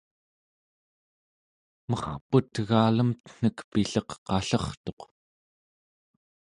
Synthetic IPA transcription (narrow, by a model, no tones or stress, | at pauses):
mʌχput̪ɣaːləmt̪ə̥n̥əkpiɬʌqːɑɬʌχt̪o̞q